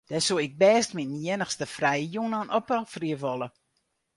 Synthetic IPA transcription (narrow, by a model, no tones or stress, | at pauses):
d̥ɛsuɪk̚bɛːstminjɪnəxstəfrɛjəjunɔnʔɔpɔlˠfriəʋɔlˠə